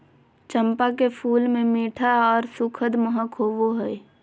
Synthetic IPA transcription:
t͡ʃəmpakepʰuːlmẽmeːʈʰaɔːɾsʊkʰəd̪məɦəkʰɦoːʋoɦɛj

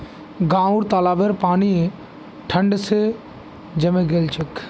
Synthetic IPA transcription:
ɡãːuɾt̪aːlaːʋeɾpaːni | ʈʰəɳɖse | d͡ʒɐmẽɡeːlt͡ʃək

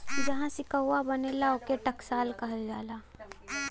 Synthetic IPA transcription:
d͡ʒɐɦãsɪkəʊːabɐnelaokeʈɐksaːlkɐɦəld͡ʒaːlaː

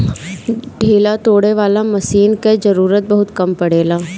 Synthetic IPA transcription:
ɖʱeːlat̪oːɽeʋaːlamɐsiːnked͡ʒɐɾuːɾət̪̚bɐɦʊt̪kɐmpɐɽeːlaː

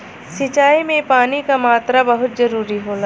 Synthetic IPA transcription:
sɪt͡ʃaːimẽpaːnikamaːt̪ɾabɐɦʊt̪̚zɐɾuːɾiɦoːla

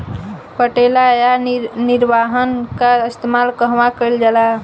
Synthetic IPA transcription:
pəʈelajanɪɾʋaɦənkaɪst̪emalkəɦʋakəld͡ʒala

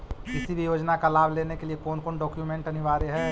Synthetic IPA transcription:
kɪsibʱijoːd͡ʒnakalaːbʱleːnekeliekɔːnkoːnɖɔːkjumẽɳʈɐnɪʋaːɾeɦɛː

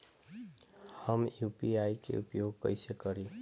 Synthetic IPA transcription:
həmjupiaikḛupjoɡ̚kə̰ɪsekəɾi

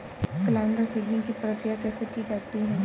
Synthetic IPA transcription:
kɐlaːnɾəsiːɖnɪ̃ŋɡkipɾəkɾijakɛːsekid͡ʒaːt̪iɦɛ̃ː

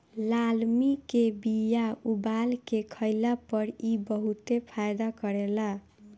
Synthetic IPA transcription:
lalmikebijaubalkekʰəjlapʌɾibʌɦut̪epʰajd̪akʌɾela

